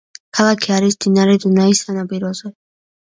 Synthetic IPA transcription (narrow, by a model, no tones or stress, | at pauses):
kʰalˠakʰiaɾisd̪inaɾɛd̪unaisanapʼiɾɔzɛ